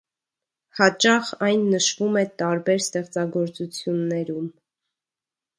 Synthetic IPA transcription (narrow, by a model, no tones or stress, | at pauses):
hɑt͡ʃɑχɑjnːəʃvumɛt̪ɑɾbɛɾst̪ɛχt͡sɑɡɔɾt͡sut͡sʰjunːɛɾum